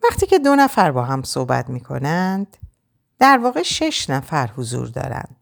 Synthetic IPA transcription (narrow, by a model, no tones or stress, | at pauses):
væχt̪ʰiːce̞d̪o̞næfæɾbɒːɦæmso̰hbæ̰t̪miːkʰo̞̰nænd̪̥ | d̪̥æɾvɒːɣe̞ʃe̞ʃnæfæɾhozṵːɾd̪ɒ̰ːɾæ̰nd̪̥